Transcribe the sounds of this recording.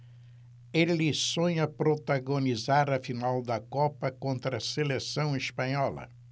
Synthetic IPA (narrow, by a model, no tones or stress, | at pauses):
elɪsõɲɐpɾot̪aɡonizaɾɐfinawd̪ɐkɔpɐkõnt̪ɾɐselesɐ̃w̃ispɐ̃ɲɔlɐ̰